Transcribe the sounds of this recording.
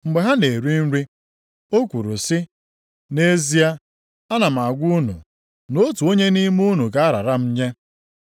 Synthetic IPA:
ŋ͡m̩˨ɡ͡be˨ɦa˦ne˨ɾi˦n̩˦ɾi˦ | o˦kʷu˨ɾṵ˨sɪ˦ | ne˦zi˦a˦ | a˦na˨m̩˨a˨ɡʷu˦nṵ˨ | no˦tu˨o˦ɲe˦ni˦mu˦nu˨ka˨˦a˦ɾa̰˨ɾa˦m̩˦ɲe˦

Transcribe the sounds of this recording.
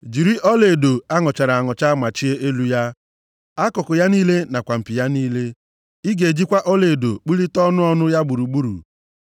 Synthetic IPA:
d͡ʒi˨ɾi˦ʔɔ˦le˨do˨a˦ŋɔ˨t͡ʃa˨ɾa˨a˨ŋɔ˨t͡ʃa˦ma˨t͡ʃi˦e˦ʔe˦lu˦ja˦ | a˦kʊ˨kʊ˨ja˦niː˦le˦na˨kʷa˨m̩˨pi˨ja˦niː˦le˦ | i˦ɡe˨d͡ʒi˦kʷa˦ʔɔ˦le˨do˨k͡pu˦li˦tɔ˦nʊ˦ɔ˦nʊ˦ja˦ɡ͡bu˨ɾu˨ɡ͡bu˦ɾṵ˨

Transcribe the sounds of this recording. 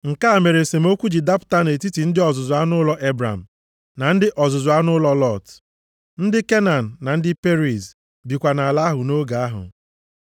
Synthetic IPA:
ŋ̩˨ka˦a˨me˨ɾe˨se˨mo˦kʷu˦d͡ʒi˨da˦pʊ̥˨˦ta˦ne˨ti˦ti˨n̩˦dɪ˦ɔ˨zʊ˨zʊ˨a˦nʊ˦lɔ˦ʔe˦bɾa̰˨m̩˨ | na˨n̩˦dɪ˦ʔɔ˨zʊ˨zʊ˨a˦nʊ˦lɔ˦lɔ˦˨t | n̩˦dɪ˦ke˦na˨n̩ː˨a˨n̩˦dɪ˦pe˦ɾi˨z | bi˨kʷa˨na˨la˦ɦʊ˨no˦ɡa˨a˦ɦʊ̰˨

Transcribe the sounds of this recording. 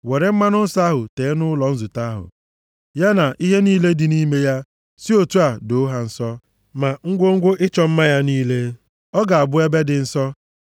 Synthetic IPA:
we˨ɾe˦m̩˦ma˦nʊ˦n̩˦sa˦ɦʊ˨teː˨˦nʊ˦lɔ˨n̩˦zʊ˨ta˦a˦ɦʊ̰˨ | ja˦na˨ʔi˦ɦe˦niː˦le˦dɪ˨ni˦me˦ja˦ | si˦o˨tu˦a˨do˨˦ɦa˨n̩˦sɔ˦ | ma˨ŋ̩˦ɡʷo˦ŋ̩˦ɡʷʊ˦ʔɪ˦t͡ʃɔ˦m̩˦ma˦ja˦niː˦le˦ | ɔ˦ɡa˨a˨bʊ˦e˦be˦dɪ˨n̩˦sɔ˦

